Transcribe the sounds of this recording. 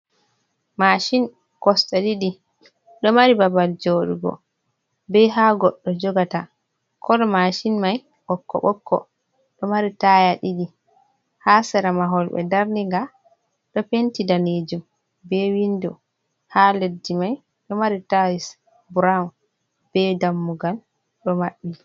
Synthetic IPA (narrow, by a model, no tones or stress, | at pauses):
maʃin | kɔstaɗiɗi | ɗɔmaɾibabald͡ʒoːɗṵɡɔ̰ | bɛɦaːɡɔɗːɔd͡ʒɔɡata | kʰɔɗɔmaʃinmaj | ɓɔkːɔ̰ɓɔkʰːɔ̰ | ɗɔmaɾitajaɗiɗi | hasɛɾamaɦɔlɓɛ̰daɾniŋɡa | ɗɔpentidaneːd͡ʒum | bɛwindu | haledːimaj | ɗɔmaɾitajis | buɾa | b̥ɛdamːuɡal | ɗɔmaɓːi